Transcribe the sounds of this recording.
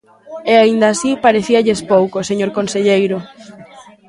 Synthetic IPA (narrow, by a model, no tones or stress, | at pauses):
eaind̪ɐːsipaɾeθiaʎespowkoseɲoɾkonseʎejɾʊ